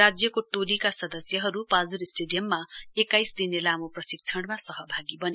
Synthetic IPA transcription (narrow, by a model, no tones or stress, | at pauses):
ad͡zjʌkoʈolikasʌd̪ʌsjʌɦʌɾupald͡zuɾisʈeɖijʌmːaekːajsd̪inelamoprʌsik̚t͡sʰʌɳɽmasʌɦʌbʱaɡibʌne